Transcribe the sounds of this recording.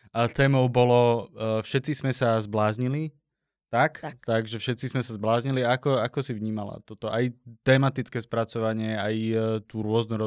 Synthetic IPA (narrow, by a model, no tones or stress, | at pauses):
at̪ɛːmɔʊbɔlɔfʃɛt̪t͡sizmɛsazblaːzɲili | t̪akt̪aɡʒɛfʃɛt̪t͡sizmɛsazblaːzɲiliaakɔakɔsivɲiːmala̰t̪ɔt̪ɔʔajt̪ɛːmat̪it͡skɛːspɾat͡sɔʋaɲɪɛajt̪uːɾʊɔznuɾɔ